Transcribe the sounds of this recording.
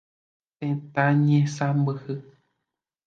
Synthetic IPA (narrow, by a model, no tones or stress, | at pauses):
t̪ẽt̪ãɲẽsãmbɨhɨ